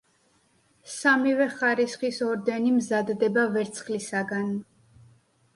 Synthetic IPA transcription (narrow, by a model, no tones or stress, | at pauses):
samivɛχaɾisχisɔɾd̪ɛnimzad̪ːɛbavɛɾt̪sʰχlisaɡan